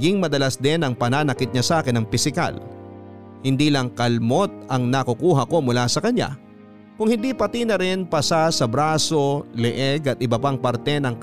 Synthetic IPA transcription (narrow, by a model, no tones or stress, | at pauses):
ɡɪŋmɐd̪ɐlasd̪ɛnɐŋpɐnaːnɐkɪt̪̚ɲɐsʔaːkɪnɐŋpɪsɪka̰l | hɪnd̪iːlɐŋkɐlmo̞t̪̚ɐŋnɐkukuːɦɐko̞mʊlasɐkɐɲa̰ | kʊŋhɪnd̪ipɐt̪inɐɾɪnpɐsasɐbɾaːso̞lɛʔɛɡɐt̪ʔɪbɐpaŋpɐɾt̪ɛnɐŋ